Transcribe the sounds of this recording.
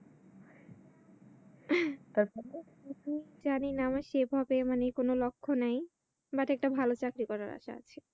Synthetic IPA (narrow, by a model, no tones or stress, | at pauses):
t̪aɾpɔɾ | iid͡ʑaninaamaɾʃebʱɦɔbemanekonolokʰːonaj | baʈɛk̚ʈabʱalot͡ɕakɾikɔɾaɾa̰ʃa̰a̰t͡ɕʰe